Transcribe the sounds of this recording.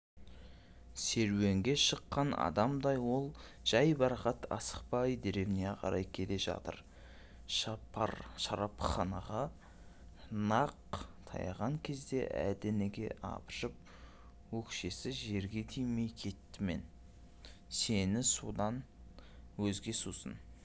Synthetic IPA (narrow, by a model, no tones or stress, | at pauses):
se̞ɾwe̞ŋɡʲe̞ʃəqːɑnɑ̰d̪ɑmd̪ɑjwo̞lˠ | ʒ̥ɑjbɑɾqɑt̪ʰɑ̰sə̥qpɑjd̪eɾe̞mneqʰɑ̰ɾɑjkʲʰe̞le̞ʒɑ̰t̪ə̰ɾ | ʃɑɑɾʃɑɾɑpχɑnɑʁɑ | nɑq̚t̪ʰɑ̰jɑʁɑŋkʲʰe̞zd̪e̞̰ʔæ̰d̪eneɡʲe̞̰ʔɑ̰pəʃəp̚ | wɵkʃe̞sɪʒe̞ɾɡʲe̞t̪ʰijme̞jkʲʰe̞t̪ːɪme̞̰n | se̞nɪsud̪ɑn | wɵzɡʲe̞susə̰n